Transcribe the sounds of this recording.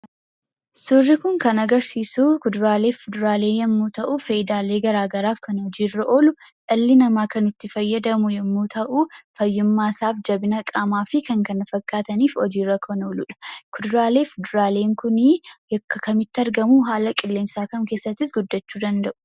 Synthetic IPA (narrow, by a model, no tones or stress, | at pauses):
sʊrːɪkʊŋkɐnɐɡɐɾsiːsukʊd̪ʊɾaːle̞ːfɪd̪ʊɾaːle̞ːjɛmːuːt̪ɐʔʊfɐjɪd̪aːleːɡɐɾaːɡɐɾaːfkɐnhɔd͡ʒiːrːɐʔo̞ːlʊᶑɐlːɪnɐmaːkɐnʊt̪ːɪfɐjːɐd̪ɐmʊjɛmːuːt̪ʰɐʔufɐjːɪmːaːsaːfd͡ʒɐbɪnɐkʼaːmaːfɪkɐŋkɐnɐfɐkːaːt̪ɐniːfɔd͡ʒiːrːɐkʰɔnoːlʊᶑɐ̥kʰʊd̪ʊɾaːle̞ːfʊd̪ʊɾaːle̞ːŋkʊnɪjɔkːɐkɐmɪt̪ːɪɐɾɡɐmuɦaːlɐkʼɪlːeːmsaːkɐmke̞ːsːɐt̪ːɪs̬ɡʊd̪ːɐt͡ʃːuːd̪ɐnd̪ɐʔʊ̥